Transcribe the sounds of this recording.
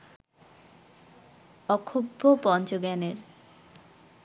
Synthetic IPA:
ɔkʰobʱːopɔnt͡ɕoɡɛneɾ

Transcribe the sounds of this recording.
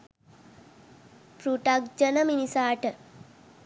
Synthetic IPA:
pɾuʈak̚d͡ʒənəminisaːʈə

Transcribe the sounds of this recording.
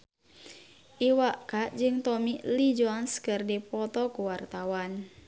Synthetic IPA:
ʔiwaʔkaʔd͡ʒɨŋt̪ɔmilid͡ʒoanskɨrdipɔt̪ɔkuwart̪awan

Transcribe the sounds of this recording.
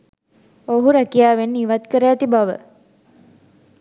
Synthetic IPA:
oɦuɾækijaːʋenːiiʋat̪kəɾæːt̪ibaʋə̰

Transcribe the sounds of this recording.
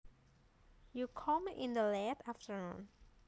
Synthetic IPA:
jukʰɔ̃mʔĩnd̪əlɛtaftənũn

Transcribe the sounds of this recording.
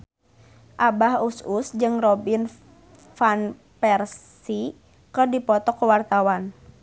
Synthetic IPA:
ʔabaɦususd͡ʒɨŋrɔbin | fan | pɛrs | i | kɨrdipɔt̪ɔkəwart̪awan

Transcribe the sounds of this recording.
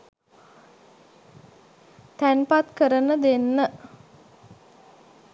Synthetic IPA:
t̪ænpat̪kəɾənəd̪enːə

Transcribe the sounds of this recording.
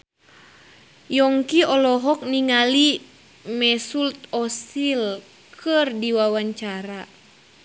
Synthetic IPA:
jɔŋkiɔlɔɦɔk̚niŋali | mɛsult̪̚ɔsil | kʰɨrdiwawaɲt͡ʃaɾa

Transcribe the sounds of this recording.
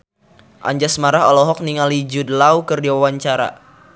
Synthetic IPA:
ʔa̰ɲd͡ʒasmaɾaɦɔlɔɦɔk̚niŋalid͡ʒudəlawkərdiwawaɲt͡ʃaɾa̰

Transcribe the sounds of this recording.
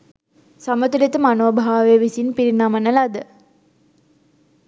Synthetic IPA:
samət̪ulet̪əmanobʱaaːʋeəʋisinpiɾinamənəlad̪ə

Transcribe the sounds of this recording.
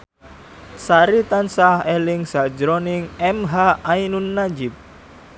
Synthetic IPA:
saɾit̪ansaɦɛlɪŋsad͡ʒɾɔnɪŋɛmɦaajnunːad͡ʒɪp̚

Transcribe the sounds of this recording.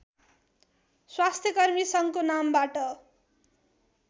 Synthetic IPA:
swast̪ʰjʌkʌrmisʌŋkonambaʈʌ

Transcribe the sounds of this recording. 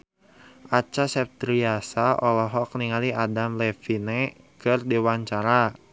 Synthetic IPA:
ʔat͡ʃasɛp̚t̪ɾiasaɔlɔɦɔk̚niŋaliʔadamlɛfinekɨrdiwaɲt͡ʃaɾa

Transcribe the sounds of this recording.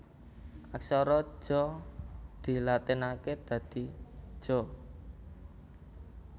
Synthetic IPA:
aksɔɾɔ̥ʒ̥ɔ̤ | d̪̥i̤lat̪ɪnaked̪̥ä̤d̪̥i̤̥ʒ̥ɔ̤

